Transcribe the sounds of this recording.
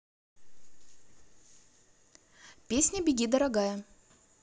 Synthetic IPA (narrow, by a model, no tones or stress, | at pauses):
pʲesʲnʲəbʲɪɡʲid̪əɾaɡajə